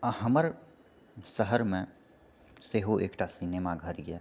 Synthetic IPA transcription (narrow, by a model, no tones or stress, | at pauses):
ɦəməɾ | səɦəɾmẽ | seːɦoʔeːkʈasineːmaɡʱəɾɡeː